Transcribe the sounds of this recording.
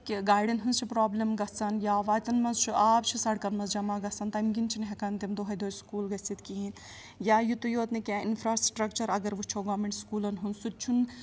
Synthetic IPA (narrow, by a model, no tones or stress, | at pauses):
kiɡaːjɖinɦunzt͡ʃʰipɾaːblʲɐmɡɐsɐnjaːʋaːt͡s̪ʲɐnmɐzt͡ʃʰuʔaːp̚t͡ʃʰisɐɽkɐnmɐzd͡ʒɐmaːɡɐsɐnt̪ɐmɡʲint͡ʃʰinɦɛkɐnt̪imd̪oɦɐjd̪oːjskuːlɡɐsit̪kiin | jaːjut̪ujoːt̪nikʲainpʰɾaːsʈɾɐkt͡ʃɐɾɐɡɐɾʋut͡ʃʰoɡɐːʋmeɳʈskuːlɐnɦunsut̪̚t͡ʃʰun